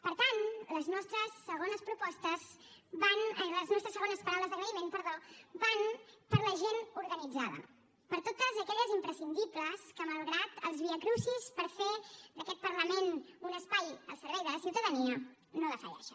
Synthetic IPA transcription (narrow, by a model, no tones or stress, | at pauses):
pəɾt̪anləznɔst̪ɾəsːəɣ̞onəspɾupɔst̪əz | banləznɔst̪ɾəsːəɣonəspəɾawləzðəɣɾəimenpəɾðobanpəɾləʒenuɾɣənid͡zaðə̰ | pəɾt̪ot̪əzəkɛʎəzimpɾəsind̪ipləskəməlˠɣɾat̪əlˠzβiəkɾusispəɾfed̪əkɛt̪̚pəɾləmenunəspajə̰lˠsəɾβɛjðələsiwt̪əðəniə | noðəfə̰ɾɛ̰ʃə